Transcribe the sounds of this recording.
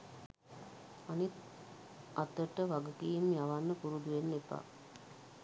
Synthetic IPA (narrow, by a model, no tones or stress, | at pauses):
anit̪ | at̪ːəʈəʋaɡukijimjaʋanːəpuɾud̪uʋenːepa̰